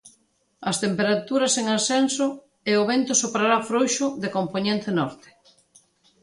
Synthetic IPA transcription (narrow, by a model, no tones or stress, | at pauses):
ɐst̪empeɾat̪uɾɐseŋasɛnso | eʊβent̪ʊsopɾaɾafɾojʃʊðekomponẽnt̪enɔɾt̪e̥